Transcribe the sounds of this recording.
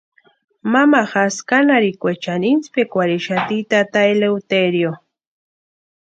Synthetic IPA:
mamaχaskanaɾikʷet͡ʃaninspekʷaɾiʃat̪it̪at̪aelewt̪eɾjo

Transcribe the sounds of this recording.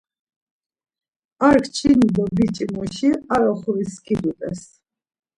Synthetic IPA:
aɾkʰt͡ʃʰinid̪ɔbit͡ʃʼimɔʃiaɾɔχuviskʰʼid̪ut̪ʼɛ̰s

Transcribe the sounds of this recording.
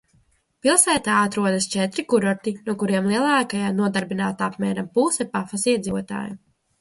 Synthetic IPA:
pilˠsæːt̪aːat̪ɾuɔd̪ɐst͡ʃɛt̪ɾikuɾɔɾt̪inuɔkuɾiɛmlˠiɛlˠaːkajaːnuɔd̪aɾbinaːt̪apmʲɛːɾampuːsɛpafasiɛd̪ziːvuɔt̪a̰ːju

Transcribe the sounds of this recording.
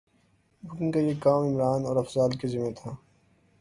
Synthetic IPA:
bʱʊknkajekaːmɪmɾaːnɔːɾɐfzaːlkezɪmẽt̪ʰaː

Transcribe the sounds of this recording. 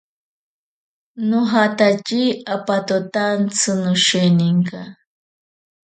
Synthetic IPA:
noɦat̪at͡ʃiapat̪ot̪ant͡sɨnʊʃeniŋka

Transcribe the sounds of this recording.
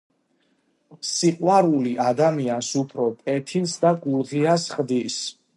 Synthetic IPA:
siqʼwaɾuliʔad̪amiansupʰɾɔpʼɛt̪ʰinsd̪aɡuɾʁiasχd̪is

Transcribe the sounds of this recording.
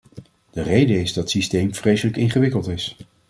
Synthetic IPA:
d̥ərejdəɪzdɑtsistejmv̥rejsələkɪnχəʋɪkəlˠtɪs

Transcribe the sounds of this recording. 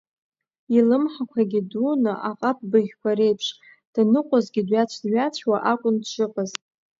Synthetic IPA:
ilɨmħakʷʰaɡʲidunɨʔaqʼap̚bɨʁʲkʷʰaɾe̞jpʰʂ | d̥nɨqʷʼazɡʲɪdɥat͡ɕʷʰdɥat͡ɕʷʰwaʔakʷʼʊndʃɨpʼazʼ

